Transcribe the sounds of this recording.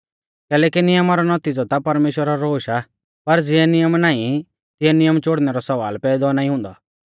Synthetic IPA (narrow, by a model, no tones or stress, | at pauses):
kɛːlɛːkinɪjəmaɾɔnɔt̪id͡zɔt̪apɐɾmeːʃwəɾaɾoːʃa | pɐɾd͡zɪɛnɪjəmnaːĩ | t̪ɪjɛnɪjəmt͡ʃoɽnɛɾɔsɐʋa̰ːlpɛːd̪ɔnaːĩɦʊ̃ːnd̪ɔ̰